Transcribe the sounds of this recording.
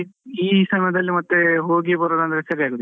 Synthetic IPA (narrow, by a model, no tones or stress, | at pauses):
iːsɐmɐjɐd̪ɐlːimɐt̪ːeɦoːɡibɐɾod̪ɐnd̪ɐɾesɐɾiaːɡuːd̪